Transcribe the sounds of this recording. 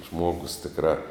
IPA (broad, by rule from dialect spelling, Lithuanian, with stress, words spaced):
ˈʒmoːɡʊs tʲɪkˈrɑː